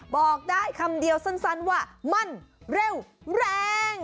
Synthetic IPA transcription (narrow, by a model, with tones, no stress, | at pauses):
bɔː˨˩k̚daː˥˩jkʰa˧mdi˧əwsa˥˩nsa˦˥˩nwaː˥˩ma˧˥˩nɾe˥˩wɾɛː˧ŋ